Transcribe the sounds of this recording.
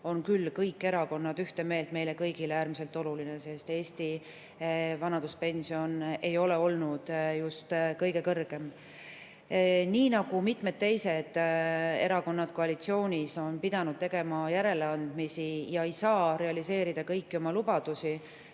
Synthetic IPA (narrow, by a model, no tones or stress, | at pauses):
o̞nkylːkɤjkːe̞ɾɑko̞nːɑd̪̥yht̪e̞me̞ːlt̪me̞jle̞kɤjɡ̥ileæːɾmise̞lt̪ːˑo̞lulinese̞st̪e̞ːst̪i | vɑnɑd̪̥uspe̞nʲsio̞ne̞jo̞le̞o̞lnud̪̥just̪kɤjɡe̞kɤrɡ̥e̞m | niːnɑɡ̥umit̪ˑme̞d̪̥̚t̪ːe̞jse̞d̪̥e̞ɾɑko̞nːɑd̪̥koɑlit̪sio̞ːnʲiso̞npid̪̥ɑnud̥̪̚t̪e̞ɡ̥e̞mɑjæɾe̞leɑnd̪̥misijɑe̞jsɑːɾe̞ɑlise̞ːɾid̪̥ɑkɤjkːio̞mɑlub̥ɑd̪̥usi